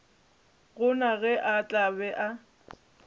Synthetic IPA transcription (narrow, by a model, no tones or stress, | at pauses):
ɣʊnaɣɛʔat͡ɬʼabɛʔa